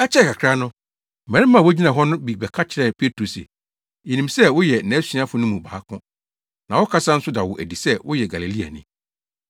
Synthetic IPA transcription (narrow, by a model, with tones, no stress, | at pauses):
ɛ˦t͡ɕʰɛ˦˨kʰa˨kʰɾa˦nʊ̃˦ | m̩˨mɛ̃˨ɾɪ̃˦mː˦ã˦˨wʊ˦d͡ʑi˦nã˨ɦɔ˦nʊ̃˦bi˨bɛ˨kʰa˦t͡ɕʰɪ˨ɾɛ˨pʰe˦tʰɾo˨sḛ˨ | e˨nĩ˨msɛ˦wʊ˦jɛ˨næ̃˨˦sĩ˦ã˦fʊ˦nʊ̃˦mũ˨baː˨a˦kʰʊ̃˦ | nã˨wɔ˦kʰa˦sã˦n̩˦sʊ˦da˨wʊ˨ʔæ̰˨di˨sɛ˦wʊ˦jɛ˨ɡa˨le˨li˦a̰˨nɪ̰̃˦